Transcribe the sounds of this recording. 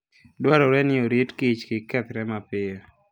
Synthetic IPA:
dwaɾɔɾɛnɪoɾitkit͡ʃkɪkɛt̪ɾɛmapɪjo

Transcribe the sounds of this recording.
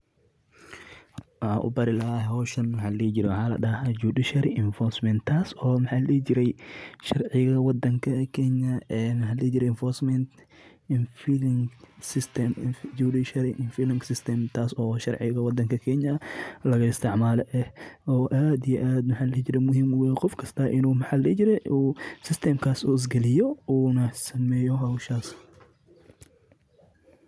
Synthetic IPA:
wħaːʔʊ̰bɐɾɪlɐhhɔːʃɐnmħaːlɐlɛːd͡ʒɪɾɛwʊħaːlɐ̰ɗɐɦad͡ʒuːdɪʃɐɾɪʔɪnfɔrsmɛnt̪ʰaːsɔːmɐħaːllɛːt͡ʃɪɾɛjʃɐrʕɪɣɐwɑd̪ːɐŋkʰɐkʰɛɲɐɛmɑħaːlɛːd͡ʒɪɾɛjɪɱfɔrsmɛnt̪ | nfilŋɡsɪst̪ʰɛmudiʃɐlʔɪnfilɪŋɡsɪst̪ʰɛmt̪ʰaːsɔːʃɐ̰rʕɪɣɐwɑd̪ɐŋkʰɐkʰɛɲɐlɐɣɐɪst̪ʰɪʕmaːlɛʔɛhɔːʔaːd̪ijɛʔaːd̪mɐħaːlɐt͡ʃɪɾɛmʊɦimʊwɛqɔfkʰɐst̪ʰɐʔɪnuːmɐħaːlɛt͡ʃɪɾɛusɪst̪ʰɛːmkʰaːsṵːɪs̬ɡɛlɪjɔuːnɐsɐmɛːjɔɦɐwʃaːs

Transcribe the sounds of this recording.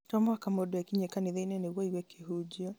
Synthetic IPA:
tɔmwakamodɛkiɲekaneðeinɛneɣwɔiɣwɛkeɦud͡ʒiɔ

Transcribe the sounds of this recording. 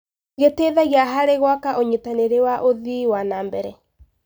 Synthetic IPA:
ɣeteðɛɣiaɦaɾeɣwakaʔoɲetaneɾewaʔoðiwanaːmbɛɾɛ

